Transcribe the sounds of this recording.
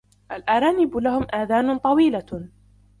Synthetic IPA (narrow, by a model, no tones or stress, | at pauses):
ʔalʔaɾˤaːnɪblahʊmʔaːðaːnt̪ˤɑwiːla